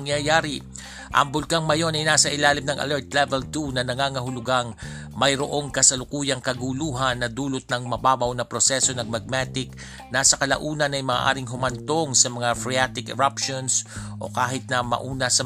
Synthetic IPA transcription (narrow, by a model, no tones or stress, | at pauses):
ŋjajaːɾɪ | ʔɐ̰ŋbʊlkaŋmɐjo̞nɐjnaːsɐʔɪlaːlɪmnɐŋʔɐ̰lɛɹt̪̚lɛvɛlt̪unɐnɐŋaŋɐɦʊlʊɡaŋ | mɐjɾoʔo̞ŋkɐsɐlʊkuːjɐŋkɐɡuluːɦɐnːɐd̪uːlot̪̚nɐŋmɐbaːbɐwnɐpɾosɛso̞nɐɡmɐɡ̚mat̪ɪk̚ | nasɐkɐlɐ̰ʔuːnɐnɐjmaːʔa̰ːɾɪŋɦʊmɐnt̪oŋsɐmɐŋafɾɛat̪ɪkɛɾapʃonsʔo̞̰kaːɦɪt̪̚nɐmɐ̰ʔuːnɐsɐ